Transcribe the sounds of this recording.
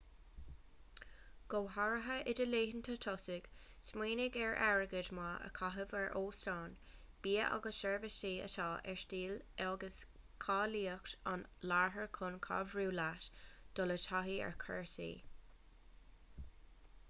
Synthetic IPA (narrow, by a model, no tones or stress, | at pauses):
ɡ̥oːɦaɹəɦəʔɪdəleːɦənt̪ʰət̪ʰɔsɪɡ̥ | smwiːnɪɡɛɹʔɛ̰ɹəɡədmaʔə̰kʰaɦəvɛɹʔoːstɑːn | b̥iːəʔa̰ɡəsʃɛɹvəsiːə̰tʰɑːʔɛ̰ɹstiːlɛɔɡəs | kʰɑːliːəkt̪ɑnlaɹɦəɹkʰʊnkʰɑ̰vɹuːlatd̥ɔlət̪ʰaɦiɛ̰ɹkʰɛɹsḭː